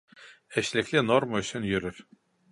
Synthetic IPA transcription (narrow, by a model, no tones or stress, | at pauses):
ɛʃlʲicʲlʲinoɾmaysʰynjyɾyɾ